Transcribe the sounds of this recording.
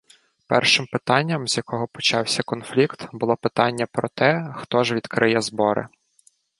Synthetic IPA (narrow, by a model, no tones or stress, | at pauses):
pɛ̰rʃɪmpɪt̪ɑnʲːɐmzʲjɐkɔɦɔpɔt͡ʃɑwsʲɐkɔnflʲikt̪bʊlˠɔpɪt̪ɑnʲːɐpɾɔt̪ɛxt̪ɔʒʋʲid̪kɾʔɪjɛzbɔɾʔɪ̰